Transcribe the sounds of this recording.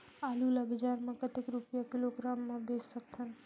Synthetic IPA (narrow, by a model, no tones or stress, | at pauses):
aːlulabɪd͡ʒaɾmãkət̪ikɾupjakiloɡɾaːmːãbessək̚t̪ʰən